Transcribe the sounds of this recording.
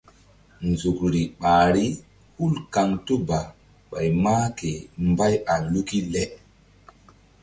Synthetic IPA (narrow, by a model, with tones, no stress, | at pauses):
nzu˨kɾi˨ɓaː˨ɾi˦ | hu˦lka˨ŋto˦ba˨ | ɓa˨jmaː˦ke˨mba˦ja˨lu˦ki˦lɛ˦